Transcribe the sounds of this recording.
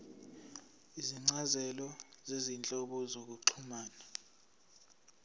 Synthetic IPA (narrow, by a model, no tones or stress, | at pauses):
iziŋ͡ǀazɛlɔzezint͡ɬʼɔɓɔzok̬uǀʰumaːna